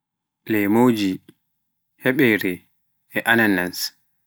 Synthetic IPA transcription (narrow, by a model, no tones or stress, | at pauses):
lɛjmowd͡ʒi | hɛɓɛjɾɛ | ɛʔananːans